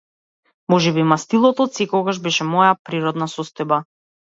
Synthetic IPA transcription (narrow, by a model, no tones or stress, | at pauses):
mɔʒɛbimast̪ilˠɔt̪ɔsɛkɔɡaʒbɛʃɛmɔjapɾiɾɔd̪nasɔst̪ɔjba